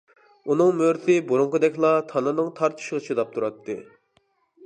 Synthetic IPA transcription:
unɨŋmøɾt̪ʰɪbuɾuŋqəd̪ɛkʲlˠɑt̪ʰɑnɨnɨŋt̪ʰɑɾt̪ʰɨ̥ʃʁət͡ʃʰɨd̪ɑp̚t̪ʰuɾɑt̪ːɨ̰

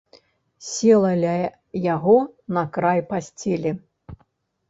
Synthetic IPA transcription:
sʲɛlˠɐlʲ | jaɣɔnɐkɾajpasʲt͡sʲelʲi

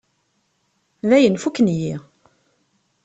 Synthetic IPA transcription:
ðæjənfukːnji

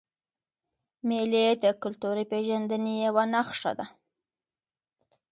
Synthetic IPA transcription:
meled̪əkʊlt̪uɾipeʒand̪ənejawanaxʂa̰d̪a

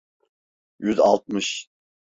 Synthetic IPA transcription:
jyzɑ̰lˠt̪̚mɯʃ

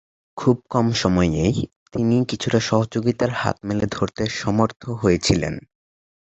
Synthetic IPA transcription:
kʰub̚kɔmʃɔmɔeej | t̪inikit͡ɕʰuʈaʃɔɦod͡ʑoɡit̪aɾha̰t̪̚meled̪ʱoɾt̪eʃɔmoɾt̪ʰoɦojet͡ɕʰilḛn

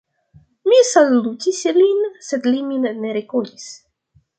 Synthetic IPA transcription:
misalut̪ʲislinsed̪liminneɾekodis

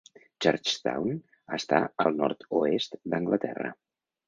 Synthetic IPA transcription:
t͡ʃəɾt͡ʃt̪a̰wn | əst̪aəlˠnɔɾt̪uest̪d̪əŋɡlət̪ɛrə̰

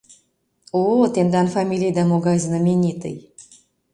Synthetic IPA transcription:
ot̪end̪ɑnfamʲilʲijd̪amoɡaznəmʲenʲit̪ɨ̰j

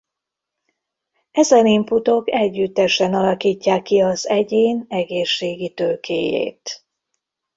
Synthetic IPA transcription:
ɛzɛnimput̪o̞kɛɟːyt̪ːɛʃɛnɒlɒkiːcːaːkːiɒzɛɟeːnɛɡeːʃːeːɡit̪øːkʰḛːjḛːt̪

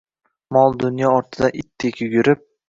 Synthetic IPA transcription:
mɒlˠd̪ʊnjɒɒɾt̪ʰɪd̪aʔɪt̪ʰːekʲʊɡʲʊɾɪp̚

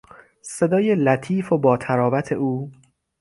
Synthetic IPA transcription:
se̞d̪ɒːjelæt̪ʰiːfobɒːt̪ʰæɾɒːvæt̪ʰe̞ʔuː

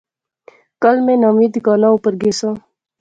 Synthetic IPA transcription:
kəlmẽːnaːmiːd̪ɡɑːnaupəɾɡeːsãː

